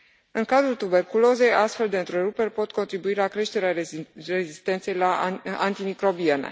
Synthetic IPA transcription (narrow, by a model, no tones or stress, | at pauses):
ɨŋkad̪ɾult̪ube̞rkulo̞ze̞jast̪fe̞ld̪e̞ɨnt̪ɾeɾupe̞rʲpo̞t̪ko̞nt̪ɾibuilakɾe̞ʃt̪e̞ɾearezist̪e̞nt̪sejlaant̪imikɾo̞bienḛ